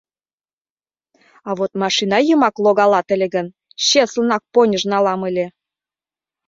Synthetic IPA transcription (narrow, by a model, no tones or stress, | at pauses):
ɑβot̪mɑʃinɑjəmɑklˠoɣɑlɑt̪ə̆lʲĕɣə̆n | ɕeslənɑk̚ponʲə̆ʒnɑlɑmə̆lʲe